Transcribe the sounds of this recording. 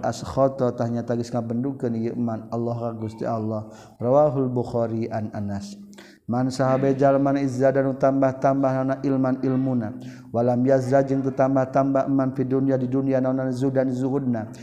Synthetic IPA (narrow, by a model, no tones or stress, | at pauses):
a̰sxɔt̪ɔt̪ahɲat̪aɡisŋabəndukənjəʔmanalːɔɦrakust̪ḭʔalːɔh | rawaɦulbuxɔɾiʔananas | mansaɦabad͡ʒalmanizadanut̪ambaht̪ambahnanaʔilmanilmuna | walahmiazzad͡ʒəŋt̪ərt̪ambaht̪ambahmanfiduniadidunianananzudanzuɦud̚na